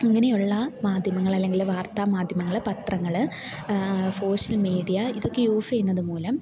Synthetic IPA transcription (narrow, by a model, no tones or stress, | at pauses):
iŋːɐne̞juɭːɐmaːd̪ʱjɐmɐŋːɐɭɐlːe̞ŋɡilʋaːrt̪aːmaːd̪ʱjɐmɐŋːɐɭɨpɐt̪rɐŋːɐɭɨ | so̞ːɕɐlmiːɽijɐiðo̞kːe̞juːfejunːɐðumuːlɐm